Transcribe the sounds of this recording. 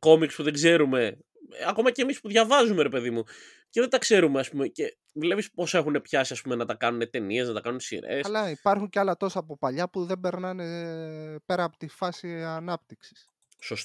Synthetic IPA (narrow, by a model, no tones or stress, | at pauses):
ko̞mikspuðeɡze̞ɾume̞ | ɐko̞mɐce̞ːmispuðʝɐvɐzume̞ɾe̞pe̞ðimu | ce̞ðed̪ɐkse̞ɾumeɐspume̞ce̞ | vle̞pispo̞se̞xune̞pçɐsiɐspume̞nɐt̪ɐkɐnune̞t̪e̞nie̞snɐt̪ɐkɐnunsḭɾe̞̰sɐlɐipɐɾxuɲceɐlɐt̪o̞sɐːpopɐʎɐpuðe̞mbe̞ɾnɐne | pe̞ɾɐːpo̥t̪ifɐsiɐnɐp̚t̪iksi̥s | sost̪